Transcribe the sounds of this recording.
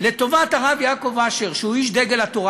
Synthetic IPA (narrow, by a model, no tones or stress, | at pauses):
le̞t̪o̞vataʁavjako̞vaʃeʁʃeuiʃd̪eɡe̞lat̪oʁa